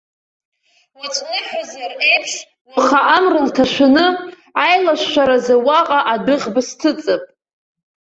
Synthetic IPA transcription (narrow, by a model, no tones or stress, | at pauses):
wat͡ʃʷʼnɨħʷᶣazarejpʰʂ | waχaʔamrɨltʰaʃʷʊnɨ | ajlaʃːʷaɾazawaqʼaʔadɨʁbastʰɨt͡sʼɨpʼ